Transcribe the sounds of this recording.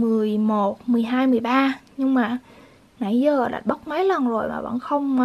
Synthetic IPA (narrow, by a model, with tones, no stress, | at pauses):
mɨ˨˩əjmo˨˩t̚mɨ˨˩əjɦaː˧jmɨ˨˩əjɓaː˧ɲɨ˧ŋmaː˨˩ | na˧˩jzəː˨˩ɗa̰ː˨˩ɓə˦˥k͡p̚ma˨˦jlə˨˩nzo˨˩jmaː˨˩və̰˧˥nxə˧wŋ͡m